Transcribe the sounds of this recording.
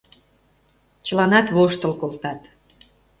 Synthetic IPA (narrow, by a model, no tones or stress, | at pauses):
t͡ɕəlɑnɑt̪βoʃt̪əlkolt̪ɑt̪